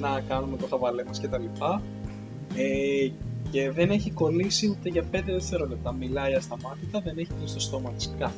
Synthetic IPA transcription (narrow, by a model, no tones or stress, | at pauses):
nɐkɐnumet̪o̞xɐvɐlemɐsce̞t̪ɐlipɐ | e | ce̞ðe̞ne̞çiko̞lisiut̪eʝɐpe̞nd̪eðeseɾole̞p̚t̪ɐmilɐiɐst̪ɐmɐt̪it̪ɐðe̞ne̞çivinst̪ost̪o̞mɐt̪i̥si̥kɐ